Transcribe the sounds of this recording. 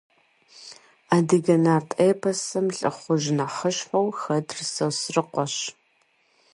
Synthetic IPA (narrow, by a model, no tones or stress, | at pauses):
aːdɨɡɐnaːrtʼeːpʰɐsɐmɬʼɨ̰χʷʊʒnaχəɕħʷowxɐdrɨsɐwsrɨqʷɔɕ